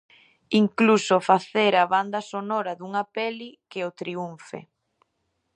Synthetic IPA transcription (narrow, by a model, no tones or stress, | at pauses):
iŋklusofaθeɾaβand̪ɐsonɔɾaðuŋapɛlikɪot̪ɾiuɱfḛ